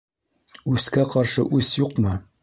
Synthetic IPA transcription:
ʉskæqɑɾʃɤ̰ʔʉsjuqmɤ

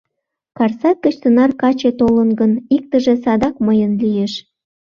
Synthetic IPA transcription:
kɑrsɑt̪̚kə̆t͡ɕt̪ənɑrkɑt͡ɕet̪olənɡənik̚t̪ə̆ʒĕsɑd̪ɑkməjənlijeʃ

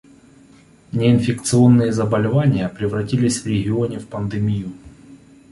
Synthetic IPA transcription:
nʲɪɪnfʲɪkt̪sɨo̞nːɨjəzɐbəlʲɪvanʲɪjəpɾʲɪvrɐtʲilʲɪsʲvɾʲɪɣʲɪo̞nʲɪfpənd̪ɨmʲiju

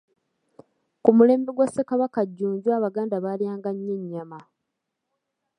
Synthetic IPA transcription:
kumule̞ːmbeɡwasekaβakaɟːuːɲɟwaːβaɡaːndaβaljaːŋɡaɲːeɲːama

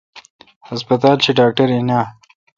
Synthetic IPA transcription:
hɐspɐt̪aːlt͡ʃeɖaːk̚ʈɐɾinaː

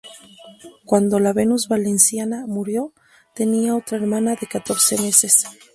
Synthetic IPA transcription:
kwand̪o̞laβe̞nuzβale̞nsjanamuɾjo̞ | t̪e̞niao̞t̪ɾaeɾmãnaðe̞kat̪o̞ɾse̞me̞se̞s

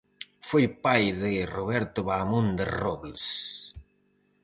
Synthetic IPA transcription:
fojpajðɪroβɛɾt̪ʊβamõnd̪ɪrɔβls

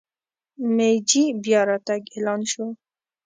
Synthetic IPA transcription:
med͡ʒibjɑɾɑt̪aɡelɑnʃo

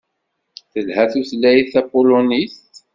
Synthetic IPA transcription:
θəlhæθuθlːæjθæpoloniθt̪

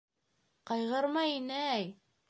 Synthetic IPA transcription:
qɑjʁɤɾmɑjinɘæj

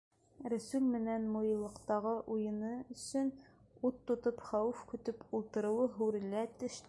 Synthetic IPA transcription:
ɾæsʉlmɘ̆nænmujɤ̆lˠːɤ̆qt̪ɑʁɤʔujɤ̆nɤɵ̆sɵn | ut̪ːŏt̪ɤpχæwʉfkɵ̆t̪ɵpʰulˠt̪ɤ̆ɾɤ̆wɤɦuɾɘ̆læt̪ɘ̆ʃ

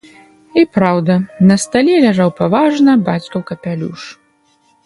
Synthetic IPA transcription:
ipɾawd̪ɐnɐst̪alʲɛlʲaʐawpavaʐnɐbat͡sʲkɐwkɐpʲalʲṵʂ

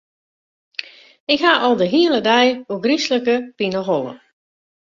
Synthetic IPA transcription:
ɪkɦaʔɔlˠdəɦiəlˠədɛjoɡrisləkəpinəɦolˠə̰

